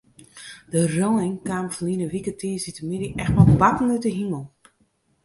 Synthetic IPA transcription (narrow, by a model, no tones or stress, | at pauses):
d̥əroːɪŋkaːmfəliənəʋikətiːsitəmidiʔɛxtmalˠbatn̩ytəɦiməlˠ